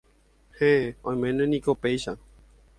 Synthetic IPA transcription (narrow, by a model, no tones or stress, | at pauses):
heõj̃mẽnẽnĩkopejʃa